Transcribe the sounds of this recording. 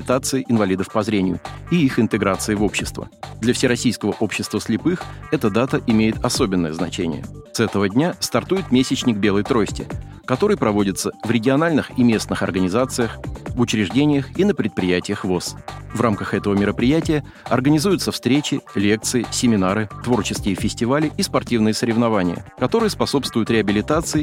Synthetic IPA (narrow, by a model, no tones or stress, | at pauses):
ɪt̪at̪sɨɪʔɪnvɐlʲid̪əfpɐzɾʲenʲɪjʊ̰ | iixɪnt̪ɨɡɾat̪sɨɪvo̞pɕːɪst̪və̰d̪lʲɐfsʲɪɾɐsʲijskəvəʔo̞pɕːɪst̪vəslʲɪpɨx | ɛt̪əd̪at̪əʔɪmʲejɪt̪ɐso̞bʲɪnːəjəznɐ̰t͡ɕenʲɪ̰jə̰sɛt̪əvədʲnʲast̪ɐrt̪ujɪt̪mʲesʲɪt͡ɕnʲɪɡ̚bʲe̞lˠəjt̪ɾo̞sʲtʲɪ̰ | kɐt̪o̞ɾɨjpɾɐvo̞dʲɪt̪səvɾʲɪɡʲɪɐnalʲnɨximʲe̞snɨxɐ̰rɡənʲɪzat̪sɨjəxvʊt͡ɕɾʲɪʐdʲenʲɪjəxinəpɾʲɪt̪̚pɾʲɪjætʲɪjəxvo̞svramkəxɛt̪əvəmʲɪɾəpɾʲɪjætʲɪjə | ɐrɡənʲɪzujʊt̪səfst̪ɾʲet͡ɕɪlʲe̞k̚t̪sɨɪsʲɪmʲɪnaɾɨt̪vo̞rt͡ɕɪskʲɪjəfʲɪsʲtʲɪvalʲɪʔispɐrtʲivnɨjəsəɾʲɪvnɐvanʲɪjə̰kɐt̪o̞ɾɨjəspɐso̞pst̪vʊjʊt̪ɾʲɪɐbʲɪlʲɪt̪at̪sɨɪ